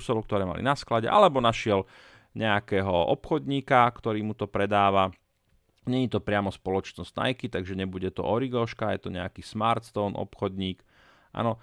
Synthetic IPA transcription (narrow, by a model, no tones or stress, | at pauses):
sɔlkt̪ɔɾɛːma̰lḭnasklaɟɛ̰ʔalɛbɔnaʃɪɛl | ɲɛakɛːɦɔʔɔpxɔd̪ɲiːkakt̪ɔɾiːmut̪ɔpɾɛd̪aːʋa | ɲɛɲit̪ɔpɾɪamɔspɔlɔt͡ʃnɔz̥na̰jkit̪aɡʒɛɲɛbuɟɛt̪ɔ̰ʔɔɾiɡɔʃkajɛ̰t̪ɔɲɛakiːsmaːɾt̪fɔnʔɔ̰pxɔd̪ɲiːk | ʔa̰nɔ